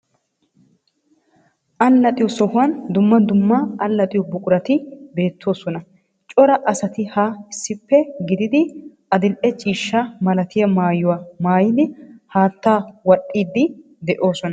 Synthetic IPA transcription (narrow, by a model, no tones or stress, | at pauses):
ʔɐlːɐt̪ʼɪjɔsɔhʊwɐnd̪ʊmːɐd̪ʊmːɐɐlːɐt̪ʼɪjɔbʊkʼʊɾɐt̪ɪbe̞ːt̪ʰːo̞ːsɔnɐ | t͡ʃʼɔɾɐʔɐsɐt̪ɪhaɪsːɪpːɛɡɪd̪ɪd̪ɪ | ɐd̪ɪlʔɛt͡ʃʼiːʃːɐmɐlɐt̪ɪjɐmaːjʊwamaːjɪd̪ɪhaːt̪ːaːwɐɗʼːiːd̪ːɪ | d̪ɛʔo̞ːsɔnɐ